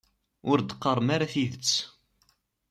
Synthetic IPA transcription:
ʊɾd̪qːəɾˤmaɾaθiðət͡sː

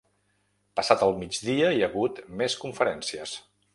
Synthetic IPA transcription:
pəsat̪əlˠmid͡ʒðiəiəɣut̪meskuɱfəɾɛnsiəs

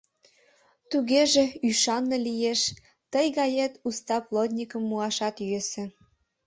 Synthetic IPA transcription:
t̪uɣeʒeyʃɑnːɤlijeʃ | t̪əjɣɑjet̪ust̪ɑplˠod̪ʲnʲikəmːuɑʃɑt̪jøsĕ

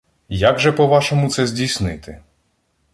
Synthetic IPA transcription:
jaɡʒɛpɔʋɑʃɔmʊt̪sɛzʲdʲijsnɪt̪ɪ

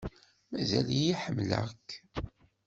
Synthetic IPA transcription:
mæzælijiħəmːlə̰kː

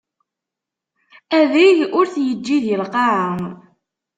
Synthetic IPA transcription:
æðijʊɾθjəd͡ʒːiðjəlqɑʕəŋ

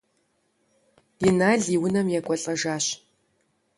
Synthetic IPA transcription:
jɪnaːɮiːwʊnɐmjɛkʷʼɔɬʼɐʒaːɕ

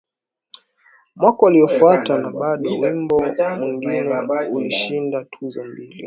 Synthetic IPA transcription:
mwakɔwaliɔfuatanaɓaɗɔwimbɔmwiŋɡinɛuliʃindatʰuzɔmbili

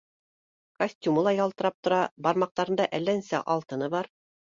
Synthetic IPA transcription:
kosʲtʲumɤlˠɑjɑlˠt̪ɤ̆ɾɑp̚t̪ŏɾɑbɑɾmɑq̚t̪ɑɾɤ̆nd̪ɑʔælːænsæʔɑlˠt̪ɤ̆nɤβɑɾ

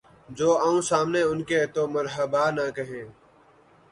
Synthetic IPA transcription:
d͡ʒoːaːũːsaːmneːʊnkeːt̪oːməɾɦəbaːnəkəɦẽː

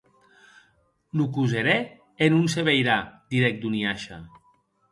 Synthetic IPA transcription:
lukuzeɾe | enunseβejɾad̪iɾɛk̚d̪uniaʃa̰

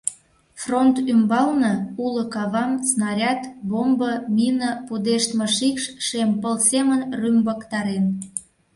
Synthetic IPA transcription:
front̪ymbɑlnɤuləkɑβɑmsnɑɾʲɑt̪bombəminəpud̪eʃt̪məʃikʃʃempəlsemənrymbəkt̪ɑɾen

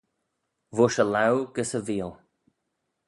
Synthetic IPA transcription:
vʊʃəlawɡ̥əsəviːlˠ

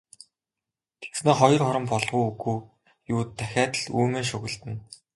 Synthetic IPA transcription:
t̪ʰe̥ksneːχɔjɞ̆rχɔɾɞ̆mpɔɮʁujuɣuː | juːt̪ʰːæxʲæːt̪ə̆ɮuːmeːnʃɵɣɘ̆ɮt̪ɘ̆n

